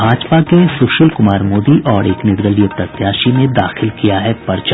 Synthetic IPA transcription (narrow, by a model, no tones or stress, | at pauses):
bʱaːd͡ʒpakesʊʃɪlkʊmaːɾmoːd̪iʔɔːɾeːknɪɾd̪əlijəpɾɐt̪jaːʃinẽd̪aːxɪlkijaɦɛpɐɾt͡ʃ